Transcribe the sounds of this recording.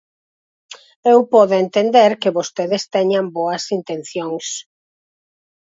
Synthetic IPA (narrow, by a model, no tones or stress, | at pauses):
ewpɔðent̪end̪eɾkɪβost̪eðɪst̪ɛɲamboɐsint̪en̟θjoŋs